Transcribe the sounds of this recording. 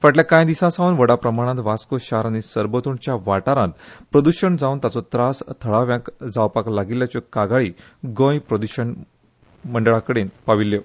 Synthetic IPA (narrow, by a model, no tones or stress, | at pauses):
faʈljakãjd̪isãsaunʋəɽapɾəmaɽ̃ãt̪ʋaskoɕaɾanisəɾbət̪uɳt͡ɕjaʋaʈaɾãt̪pɾəd̪uɕəɳd͡zaunt̪at͡sɔt̪ɾast̪ʰəɭaʋjãkd͡zaʋpaklaɡiljat͡ɕokaɡaɭiː | ɡõjpɾəd̪uɕəɳ | məɳɖəɭakəɽenpaʋilːjo